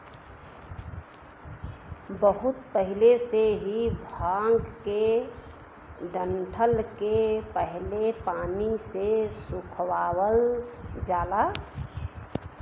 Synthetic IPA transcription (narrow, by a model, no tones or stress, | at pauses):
bəɦʊt̪pəɦɪleseɦibʱaːŋɡke | ɖəɳʈʰəlkepəɦlepaːnisesʊkʰwaːwəld͡ʒaːla